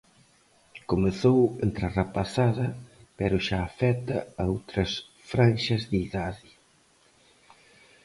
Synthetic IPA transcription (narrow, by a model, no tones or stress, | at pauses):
komeθowent̪ɾarapasaðɐpɛɾʊʃaːfɛt̪ɐɐowt̪ɾɐs | fɾanʃɐzðiiðaðɪ